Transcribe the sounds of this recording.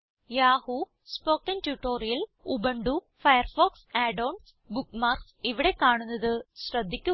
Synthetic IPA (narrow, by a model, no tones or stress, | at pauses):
jaːhu | spo̞ːkɐntjuʈːoːɾijɐlubɐɳɖu | fɐjɐrfoːksaːɖoːɳɖs | bukːmaːrksiʋiɽe̞kaːɳunːɐðɨɕrɐd̪ʱːikʲːu